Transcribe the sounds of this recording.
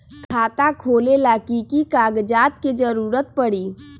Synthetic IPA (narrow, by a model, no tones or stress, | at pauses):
kʰkʰaːt̪akʰoːlelaːkikikaːɡd͡ʒaːt̪̚ked͡ʒəɾuːɾət̪̚pəɽiː